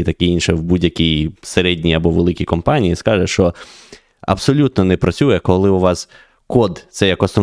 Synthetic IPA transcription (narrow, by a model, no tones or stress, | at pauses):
t̪ɐkɪinʃɛwbudʲjɐkʲijseɾɛdʲnʲiɐbɔʋelˠɪkʲikɔmpɑnʲijiskɑʒɛʃt͡ʃɔ | ɐ̰bsɔlʲut̪nɔnɛpɾɐt͡sʲujɛkɔlˠɪʊʋɑs | kɔd̪t̪sɛjɐkɔsnɔ